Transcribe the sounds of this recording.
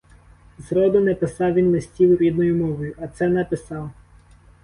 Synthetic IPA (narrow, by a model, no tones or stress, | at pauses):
zɾɔd̪ʊnɛpɪsɑwʋʲinlɪsʲtʲiwɾʲid̪nɔjʊmɔʋɔjʊʔɐt̪sɛnɛpɪsɑw